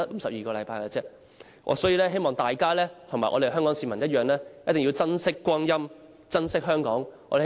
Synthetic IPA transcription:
ɐ˥m̩˨˧sɐ˨p̚jiː˨kɔː˧lɐ˨˧jpaː˧jka˧t͡sɛː˥ | ʔɔ̰ː˨˧sɔː˨˥jiː˧lɛː˥ɦe˥jmɔː˨ŋt̪aː˨jkaː˥lɛː˥t̪ʰɐ˨˩maː˨˩ʔɔ̰ː˨˧de˨˩ɦœː˥ŋkɔː˨˥ŋsiː˨˧mɐ˨˩njɐ˥t̚jœː˨ŋlɛː˥jɐ˥t̪ɪ˨ŋjiː˧wt͡sɐ˥nsɪ˥kːʷɔː˥ŋjɐ˥m | t͡sɐ˥nsɪ˥k̚ɦœː˥ŋkɔː˨˥ŋɔː˧de˨˩

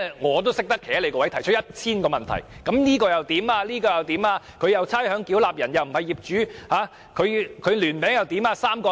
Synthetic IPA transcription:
ŋɔː˨˧t̪̬o˥wsɪ˥k̚t̪ɐ˥kʰːe˨˩jɐ˥le˨˧jkɔː˧wɐ˨˥jt̪ʰɐ˨˩jt͡ʃʰt̚jɐ˥t̚t͡sʰiː˥nkɔː˧mɐ˨nt̪ʰɐ̰˨˩jkɐ˨˥mniː˥kɔː˧jɐ˨wt̪iː˨˥maː˧liː˥kɔː˧jɐ˨˩wt̪iː˨˥maː˧ | kʰɵ˨˧ɥjɐ˨wt͡sʰaː˥jhœː˨˥ŋkiː˨˥wlaː˨p̚jɐ˨˩njɐ˨wm̩˨˩hɐ˨jiː˨p̚t͡ʃyː˨˥haː˨˥ | kʰɵ˨˧kʰɵ˨˧ɥlyː˨˩npɛː˨˥ŋjɐ˨wt̪iː˨˥maː˧saː˥mkɔː˧

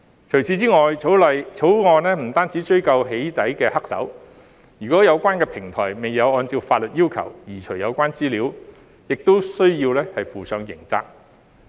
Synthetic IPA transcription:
t͡ʃʰɵ˨˩jsiː˨˧t͡siː˥ŋɔː˨jt͡sʰo˨˥wlɐ˨jt͡sʰo˨˥wŋɔː˧nlɛː˥m̩˨˩t̪aː˥nt͡siː˨˥t͡ʃɵ˥ɥkɐ˧wɦe˨˥jt̪ɐ˨˥jkɛː˧hɐ˥k̚sɐ̰˨˥w | yː˨˩kɔː˨˥jɐ˨˧wkʷaː˥nkɛː˧pʰɪ˨˩ŋt̪ʰɔ̰ː˨˩jme˨˩jːɐ˨˧wɔː˧nt͡siː˧wfaː˧t̚lɵ˨t̚jiː˥wkʰɐ̰˨˩wjiː˨˩t͡ʃʰɵ˨˩jɐ˨˧wkʷaː˥nt͡siː˥liː˨˥w | jɪ˨k̚t̪o˥wsɵ˥ɥjiː˧wlɛː˥hɐ˨jfuː˨sœː˨˧ŋjɪ̰˨˩ŋt͡sa̰ː˧k̚

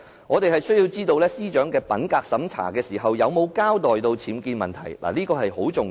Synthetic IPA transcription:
ŋɔː˨˧t̪e˨˩ɦɐ˨jsɵ˥jiː˧wt͡siː˥t̪o˧wlɛː˥siː˥t͡ʃœː˨˥ŋkɛː˧pɐ˨˥nkaː˧k̚sɐ˨˥mt͡sʰa̰ː˨˩kɛː˧siː˨˩ɦɐ˨wjɐ˨˧wmo˨˧wkaː˥wt̪ɔː˨˩jt̪o˧wt͡sʰiː˨˥mkiː˧nmɐ˨nt̪ʰɐ̰˨˩jla̰ː˨˩liː˥kɔː˧hɐ˨jho˨˥wt͡sʊ˨ŋ

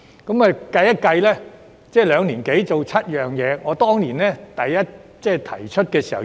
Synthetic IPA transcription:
kɐ˨˥mɐː˨kɐ˧jɐ˥t̚kɐ˧jlɛː˥ | t͡sɛː˥˩lœː˨˧ŋliː˨˩nke˨˥jt͡so˨wt͡sʰɐ˥t̚jœː˨ŋjɛː˨˧ŋɔː˨˧˥t̪ɔː˥ŋliː˨˩nlɛː˥t̪ɐ˨jːɐ˥t̚t͡sɛː˥˩t̪ʰɐ̰˨˩jt͡ʃʰɵ˥t̚kɛː˧siː˨˩hɐ˨˩

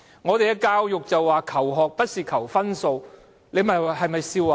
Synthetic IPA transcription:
ŋɔː˨˧t̪e˨jkɛ˧kaː˧wjʊ˨k̚t͡sɐ˨wːaː˨kʰɐ˨˩wɦɔː˨k̚pɐ˥t̚siː˨kʰɐ˨˩wfɐ˥nso˨˧w | le˨˧mɐ˨hɐ˨jmɐ˨jsiː˧waː˨

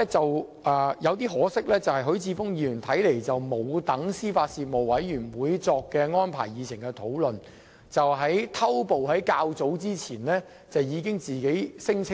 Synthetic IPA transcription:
t͡sɐ˨w | ʔɛː˨jɐ˨˧wt̪̬iː˥ɦɔː˨˥sɪ˥k̚lɛː˥t͡sɐ˨whɐ˨jɦɵ˨˥ɥt͡sʰiː˧fʊ˥ŋjiː˧˩jy˨˩nt̪ʰɐ˨˥jle˨˩jt͡sɐ˨wmo˨˧wt̪ɐ˨˥ŋsiː˥faː˧t̚siː˧t̚mo˨wwɐ˨˥jɥyː˨˩nwuː˨˥jt͡sɔː˧kːɛː˧ŋɔː˥npʰa̰ː˨˩jiː˨˧t͡sʰɪ˨˩ŋkɛ˧t̪ʰo˨˥wlɵ˨n | t͡sɐ˨wɦɐ˨˥jt̪ʰɐ˥wpo˨wɦɐ˨˥jkaː˧wt͡so˨˥wt͡siː˥t͡sʰiː˨˩nlɛː˥ | t͡sɐ˨wjiː˨˧kɪ˥ŋt͡siː˨ke˨˥jsɪ˥ŋt͡sʰɪ˥

